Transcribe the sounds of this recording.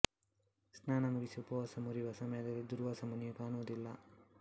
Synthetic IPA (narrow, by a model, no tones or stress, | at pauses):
snaːnɐmuɾisupɐʋɐsɐmuɾiʋɐsɐmɐjɐd̪ɐlːud̪uɾʋasɐmunjukaːnuʋɐd̪ilːɐ̰